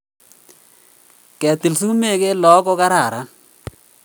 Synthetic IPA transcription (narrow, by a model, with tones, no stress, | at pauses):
kɛ˨t̪i˨lsu˦me˦˨ke˦lɔ˨˦kɔ˦ka˦ɾa˨ɾa˦